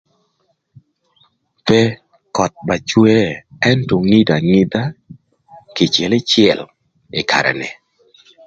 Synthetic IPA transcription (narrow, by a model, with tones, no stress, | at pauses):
pɛ˦ | kɔ˨t̚ba˨t͡ʃwe˦ɛ˦ntɔ˨ŋi˦da˨ŋɪ˦da˦ | kɪ˨t͡ʃɛ˨lɪ˦t͡ʃjɛ˨l | ɪ˨kʰa̰˨ɾɛ̰˨nɛ̰˨